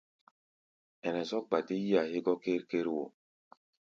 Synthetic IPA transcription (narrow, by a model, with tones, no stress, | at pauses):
ɛ˨nɛ˨zɔ˦k̚ɡ͡ba˨te˦ji˦a˨he˦ɡɔ˦ke˦ɾke˦ɾwo̰˨